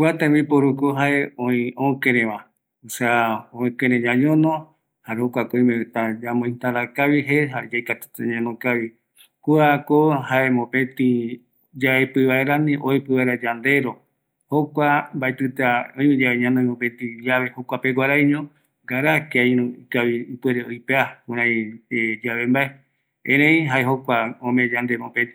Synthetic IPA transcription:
kuat̪ãmbipoɾukoɦaeõĩõkẽɾẽʋã | useaõkẽɾẽd͡ʒaɲõnõ | haɾehokʷakoĩmẽt̪ad͡ʒamõj̃nt̪aɾakaβiɦeɦad͡ʒajkat̪u̥t̪eɲãnõkaβi | kuakohaemõpẽt̪ĩ | d͡ʒaepɨβaeɾanĩʔoipɨβaeɾad͡ʒand̪e̞ɾo̞ | hokʷambaet̪ɨt̪aõj̃mĩd͡ʒaβeɲãnõĩmõpẽt̪ĩiaβe̞hokʷapeɡʷaɾaiɲõ | ɡaɾakeaĩɾũikaβiːpweɾeojpeakũɾãj̃ed͡ʒaβembae | ẽɾẽĩɦaeɦokʷaõmẽd͡ʒand̪emõpẽt̪i

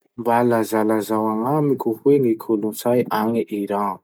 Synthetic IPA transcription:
mbalazalazawaŋamikʲuhuweŋikʰolunt͡sajʔaŋiʔiɾaŋ

